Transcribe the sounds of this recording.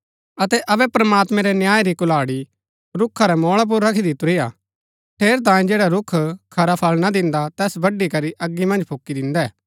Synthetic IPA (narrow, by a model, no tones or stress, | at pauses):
ɐt̪ɛʔɐbɛpɾɐmaːt̪mɛ̃ɾɛnjaːjɾikʊlaːɽi | ɾʊkʰːaɾɛmɔːɭap̬ʊɾːɐkʰid̪ɪt̪ʊɾija̰ | ʈ̪ʰeːɾt̪̬ãːĩd͡ʒeːɽaɾʊkʰkʰɐɾapʰɐlnad̪ɪ̃nd̪at̪ɛːsbɐɖːikɐɾiʔɐɡːimɐ̃nd͡ʒpʰʊkːid̪ɪ̃nd̪ɛɛː